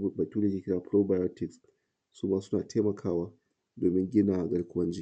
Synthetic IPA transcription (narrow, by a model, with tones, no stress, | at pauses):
bɐ˨tʲuː˦da˨kʲe˦kʲɪ˦ɽaː˨pɾo˦ba˨jo˦tɪ˨ks | suː˦maː˦sʊ˦naː˨tʰeː˦mɐ˨kʰaː˦waː˦ | doː˨mɪ˦ŋɡʲɪ˦na˨ɡɐ˦ɽkʷʊ˦wɐ˦nd͡ʒi˦